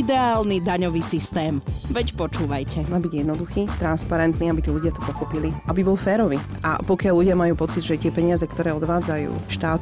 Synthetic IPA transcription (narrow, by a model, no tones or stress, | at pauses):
id̪ɛaːlnid̪aɲɔʋiːsist̪ɛːmʋɛcpɔt͡ʃuːʋajcɛmaːbiɟjɛd̪nɔd̪uxiːt̪ɾanspaɾɛnt̪niːabit̪iːluɟɪat̪ɔ̥pɔxɔpiliʔabibɔlfɛːɾɔʋi | ʔa̰pɔkɪalʎːuɟɪamajuːpɔt͡sid̪ʒɛt̪ɪɛpɛɲɪazɛkt̪ɔɾɛːɔd̪ʋaːd͡zajṵːʃt̪aːt̪